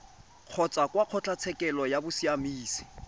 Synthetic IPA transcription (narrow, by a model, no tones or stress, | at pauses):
q͡χʰɔt͡sʼakʼwaq͡χʰɔt͡ɬʰʼat͡sʰɛkʼɛlɔjabʊsiamiːsi̥